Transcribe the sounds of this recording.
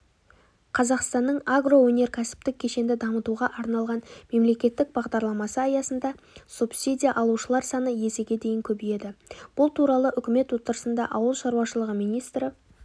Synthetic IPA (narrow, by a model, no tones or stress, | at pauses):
qʰɑzɑqst̪ɑnːəɴaɡro̞wɵne̞ɾkʲʰæsɪ̥p̚t̪ɪkʲʰːe̞ʃe̞nd̪ɪd̪ɑmət̪uʁɑʔɑɾnɑlˠʁɑnme̞mle̞kʲe̞t̪ːɪk̚bɑʁd̪ɑɾlˠɑmɑsəɑjɑsənd̪ɑ | supsʲidʲijaʔɑlˠuʃəlˠɑɾsɑnəje̞sɪɡʲe̞d̪e̞jɪŋkʲʰɵbije̞d̪ɪb̥ʊlˠt̪ʰuɾɑlˠəʔʏkʲɪme̞t̪wo̞t̪əɾəsənd̪ɑʔɑwəlˠʃɑɾuwɑʃəlˠəʁəmijnijst̪ɾə